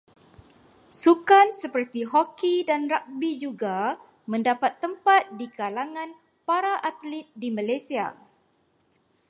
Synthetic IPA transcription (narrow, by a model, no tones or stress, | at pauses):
sukansəpərt̪iɦɔkidanrak̚bid͡ʒuɡa | mə̃ndapat̪ːəmpat̪̚dikalaŋãn | paɾaʔat̪lit̪̚dimãlajsia̰